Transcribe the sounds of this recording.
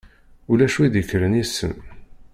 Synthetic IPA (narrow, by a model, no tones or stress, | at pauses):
ulæʃwiðəçɾənjisːə̰n